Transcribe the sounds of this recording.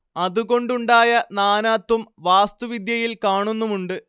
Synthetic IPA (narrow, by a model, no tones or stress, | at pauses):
ɐðuɣo̞ɳɖuɳɖaːjɐnaːnaːt̪ːumʋaːst̪uʋid̪jɐjilkaːɳunːumuɳɖɨ